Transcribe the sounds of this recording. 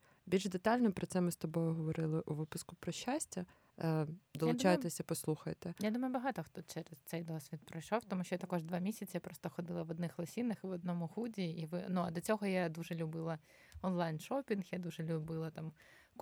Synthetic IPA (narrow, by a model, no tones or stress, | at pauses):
bʲilʲʒd̪et̪ɑlʲnɔpɾɔt̪sɛmɪst̪ɔbɔjʊɦɔʋɔɾɪlˠɪʔuʋɪpʊskʊpɾɔʃːasʲtʲɐ | d̪ɔlad̪t͡ʃajet̪esʲɐpɔslˠuxɐjt̪ɛjad̪umɐjʊbɐɦɑt̪ɔxt̪ɔt͡ʃɛɾɛzt̪sɛjd̪ɔsʲʋʲit̪̚pɾɔjʃɔwt̪ɔmuʃt͡ʃɔjat̪ɐkɔʒd̪ʋɑmʲisʲɐt͡sʲjapɾɔst̪ɔxɔd̪ɪlˠɐʋɔd̪nɪxlˠɐsʲinɐxɪʋɔd̪̚nɔmʊhudʲiiʋɪnuɐd̪ɔt͡sʲɔɦɔjad̪uʒɛlʲʊbɪlˠɐ | ɔnlˠɑjnʃɔpʲinxjad̪uʒɛlʲʊbɪlˠɐt̪am